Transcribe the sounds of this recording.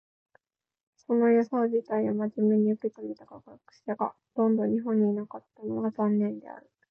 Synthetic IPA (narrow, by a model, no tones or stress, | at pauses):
so̞no̞jasoːʑit̪aiamaʑime̞ɲ̟iokik̪aɡʲit̪aɡakakɯ̥ɕaɡa̰ | t̪õ̞nd̪o̞ɲ̟iɦõ̞ɲ̟ːiːnakat̪ːanoɡazãnːẽ̞nd̪e̞̰a̰ɾɯ̟